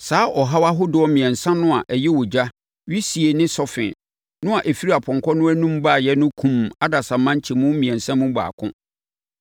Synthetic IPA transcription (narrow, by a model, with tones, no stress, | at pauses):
saː˦ʔɔ˨ɦa˦wa˦ɦʊ˦dɪ˨ɔ˦mĩ˨ɛ̃˨nsã˦nʊ̃˦a˨ʔɛ˨jɛ˦wɔ˨d͡ʑa˦ | ɥi˦si˨e˨nɪ̃˦sɔ˦fɪ̰̃˨n | nʊ̃˦a˨ʔe˨fi˦i˦a˨pʰɔ̃˨ŋkʰɔ˦nʊ̃˦æ˦nũ˦mbaː˦˨jɛ˦nʊ̃˦kʰũ˨ma˦da˨sa˨mã˦ɲ˦t͡ɕʰɪ˨mũ˦mĩ˨ɛ̃˨nsã˦mũ˦ba̰ː˨kʰʊ̰̃˦